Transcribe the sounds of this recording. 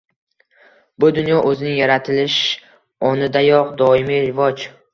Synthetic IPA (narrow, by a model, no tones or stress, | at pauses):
bʊd̪ʊnjɒʔɵzɪnɪŋjaɾat̪ʰɪlɪʃ | ɒnɪd̪ajɒqd̪ɒɪmiɾɪvɒd͡ʒ